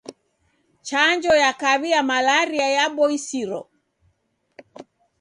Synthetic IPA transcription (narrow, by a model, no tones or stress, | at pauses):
t͡ʃaɲd͡ʒɔjakaβiamalaɾiajaɓɔisiɾɔ